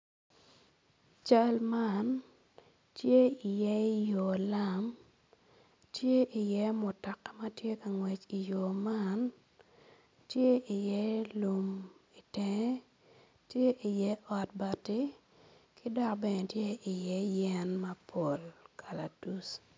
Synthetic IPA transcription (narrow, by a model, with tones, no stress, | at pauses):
t͡ʃa˦lma˨n | tje˦i˨jɛ˦jo˨la˦m | tje˦ʔi˨jɛ˦mʊ˨tɔ˨kɛ˦ma˦tje˦ka˨ŋwɛ˨t͡ʃi˨jo˨ma˦n | tje˦i˨jɛ˦lu˨mi˨tɛ˨ŋ˦ | tje˦ʔi˨jɛ˦ɔ˨t̚ba˨tɪ˦ | kɪ˦dɔ˦kbɛ˦˨ne˨tje˦i˨jɛ˦jɛ˦nma˦pʰo˨lkʰa˨la˨du˦s